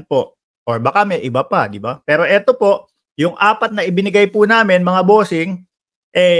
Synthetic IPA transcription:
po̞ʔ | ʔoɹbɐkamɛjʔɪbɐpad̪ɪbapɛːɾo̞ʔɛt̪o̞po̞ʔ | jʊŋʔaːpɐt̪̚nɐʔɪbɪnɪɡajpʊnaːmɪnmɐŋabo̞ːsɪŋ | ʔɛ

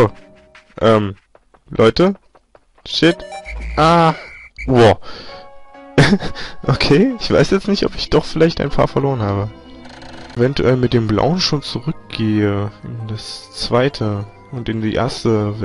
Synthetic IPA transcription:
oː | ʔɛːm | lʔɔʏtə | ʃɪtʔaː | oː | ʔokʰeːɪçv̥a̰ɪsjɛt͡stnɪçtɔpɪçd̥ɔχfɪlaɪçta̰ɪnpʰa̰ːɐfɛɐloːʁ̞ənhaːbə | ʔevɛntṵʔɛlmɪt̚d̥eːmbla̰ʊənʃoːnt͡suʁʏk̚ɡ̥eːəɪndast͡sv̥aɪtʰə | ʔʊntɪndiːʔḛːɐstəvɛ

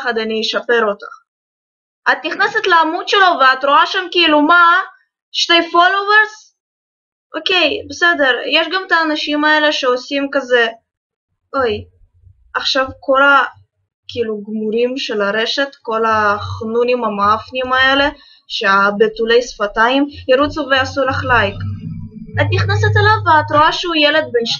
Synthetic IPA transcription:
χad̪anijeʃapeɾot̪a̰ | at̪̚niχneset̪leamudʃelo̞veat̪ɾoaʃamkiiluma | ʃtejfoloveɾs | ʔokejbesed̪eɾjeʃɡamt̪aːnaʃimaeleʃeosimkaze | oj | ʔaχʃavko̞la | kiluɡmuɾimʃelaɾeʃet̪ko̞laχnunimamaafnimaele̞ | ʃeabet̪ulejsfat̪aimjeɾut͡suveasulaχlajk | at̪niχnaset̪alavːeat̪ɾoaʃeujeled̪̚benʃ

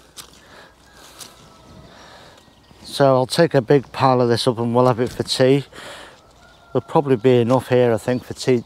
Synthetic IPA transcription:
soʊaɪlˠtʰeɪkəbɪɡ̚pʰɑːləðɪsʊpə̃nwɪlˠəvɪtfətʰiː | wɪlˠpʰɹ̥ɒbəblibiɪnʊfhiəɹaɪθɪ̃ŋkfətʰiː

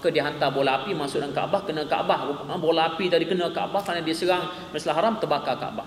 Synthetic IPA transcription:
kədiəɦant̪abolaːpimaʔsʊtʔ̚danŋka̰ʔabahkənə̃ka̰ʔabahbolaːpit̪adikənə̃ka̰ʔbahkɾanadiəsəɾaŋ | məslaɦaɾamt̪əbakaka̰ʔba̰h

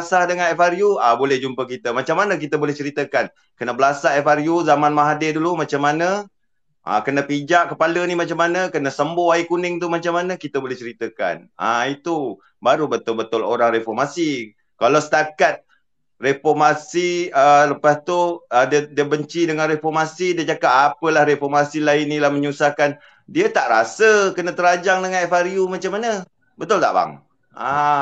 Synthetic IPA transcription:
asahdəŋanɛfaɾjuabolɛhd͡ʒumpəkit̪əmat͡ʃamːanə̃k̬it̪əbolɛht͡ʃəɾit̪əkan | kənəbəlasaɛfaɾjuzamanmaɦadɪdulumat͡ʃamːanə | ʔa̰kənəpid͡ʒaʔkəpalənimat͡ʃamːanəkənəsəmboaikunɪŋt̪umat͡ʃamanəkit̪əbolɛht͡ʃəɾit̪əka̰na̰it̪u | baɾubət̪ʊlbət̪ʊloɾaŋrefɔrmasi | kalawsə̥t̪akat̪̚ | refɔrmasiələpast̪uədədiəbəɲt͡ʃidəŋanrefɔrmasidiəd͡ʒakapapəlahɾefɔrmasilainːilahməɲusahkan | diət̪aʔɾasəkənət̪əɾad͡ʒaŋdəŋãnefaɾiumat͡ʃamːanə | bət̪ʊlt̪a̰ʔba̰ŋ | a

